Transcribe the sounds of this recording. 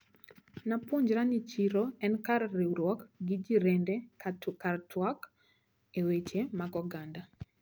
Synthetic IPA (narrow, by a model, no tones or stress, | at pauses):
napoɲd͡ʒɾanit͡ʃiɾoɛnkarːeuɾwɔkɡid͡ʒiɾendekartwak | ewet͡ʃemaɡɔɡanda